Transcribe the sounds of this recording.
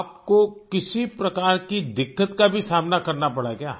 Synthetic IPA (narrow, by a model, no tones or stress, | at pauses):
p̚kokɪsipɾɐkaːɾkid̪ɪkːət̪kabʱisaːmnakɐɾnapɐɽakjaː